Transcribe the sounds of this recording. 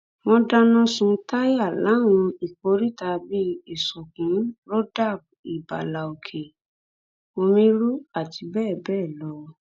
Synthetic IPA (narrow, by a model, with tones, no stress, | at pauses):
wɔ̃˧da˦nɔ̃˦sũ˧ta˦ja˦˨la˨˦w̃ɔ̃˧i˨ko˨˧˦ɾi˦ta˧bi˦e˨sɔ˨kũ˨˦ɾo˦da˦˨b̚i˨ba̰˨la˨o˨kʰe˨ | o˧mĩ˦ɾu˦a˦˨ti˧bɛː˦˨bɛː˦˨lɔ˨˦